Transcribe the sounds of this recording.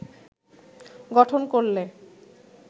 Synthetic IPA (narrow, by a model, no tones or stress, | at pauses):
ɡɔʈʰonkoɾle